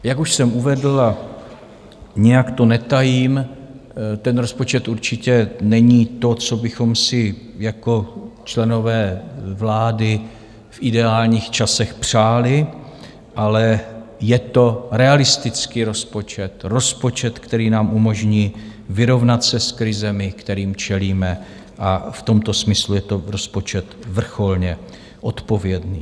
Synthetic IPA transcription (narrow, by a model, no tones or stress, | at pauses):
jakuʃsɛmuvɛdl̩a | ɲɛjakt̪o̞nɛt̪ajiːm | t̪ɛnɾo̞spo̞t͡ʃɛt̪ʔuɾt͡ʃɪcɛnɛɲiːt̪o̞t͡so̞bɪxo̞msɪ | jako̞t͡ʃlɛno̞vɛːvlaːdɪ | fʔɪdɛaːlɲiːxt͡ʃasɛxpr̥aːlɪ | ʔalɛjɛt̪o̞ɾɛalɪst̪ɪt͡skiːɾo̞spo̞t͡ʃɛt̪ɾo̞spo̞t͡ʃɛt̪kt̪ɛɾiːnaːmʔumo̞ʒɲiːvɪɾo̞vnat̪sɛskɾɪzɛmɪkt̪ɛɾiːmt͡ʃɛliːmɛ | ʔaft̪o̞mt̪o̞smɪslujɛt̪o̞ɾo̞spo̞t͡ʃɛt̪vr̩xo̞lɲɛ | ʔo̞t̪po̞vjɛdniː